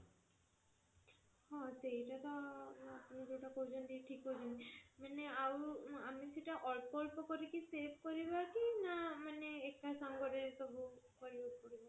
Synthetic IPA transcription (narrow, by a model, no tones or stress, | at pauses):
hɔ̃seɦjʈat̪ɔapunid̪uwʈakozɔnd̪iʈʰikɦod͡ʒinimaneaamisiʈaʔɔlpɔlpɔkɔɾikiseb̚ʱkɔɾibakinamaneːkːasamɡɔɾesɔbukɔɾibɔpɔɾibɔ